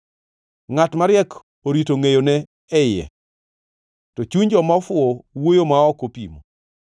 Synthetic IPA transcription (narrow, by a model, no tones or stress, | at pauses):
ŋatmaɾjɛk | oɾitoŋejonɛ | ɛjɛ̰ | tɔt͡ʃuɲd͡ʒɔmafʊɔwojomaɔkopḭmo